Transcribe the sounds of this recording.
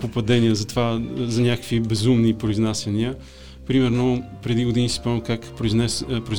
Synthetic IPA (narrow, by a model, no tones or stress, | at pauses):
popɐd̪ɛniəzɐt̪vazɐnʲakə̥kvibɛzumnipɾoiznasɛniə | pɾimɛɾnopɾɛd̪iɡʊd̪inisi̥pɔvɛmkakppɾʊi